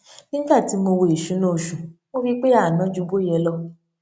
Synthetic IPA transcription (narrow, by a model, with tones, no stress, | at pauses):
nĩ˦ba˦˨ti˨˦mo˧wo˧˨i˨ʃũ˨˦nõ˦˨ʃũ˨mo˦fi˦k͡pe˦a˦˨nã˨˦d͡ʒu˨˧˦bo˦jɛ˧lɔ˧